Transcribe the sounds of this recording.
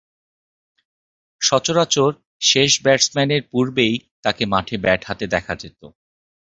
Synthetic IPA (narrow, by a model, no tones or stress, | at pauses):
ʃɔt͡ɕoɾat͡ɕoɾ | ʃeʃbɛʈsmɛneɾpuɾbejt̪akemaʈʰebɛʈʰhat̪ed̪ɛkʰad͡ʑet̪o